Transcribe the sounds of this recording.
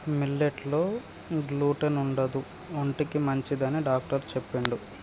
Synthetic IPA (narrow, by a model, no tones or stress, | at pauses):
milːeʈlo̞ː | ɡluːʈɐnuɳɖɐd̪u | oɳʈikimɐɲt͡ʃid̪ɐnːiɖaːk̚ʈɐɾt͡ʃepːeɳɖu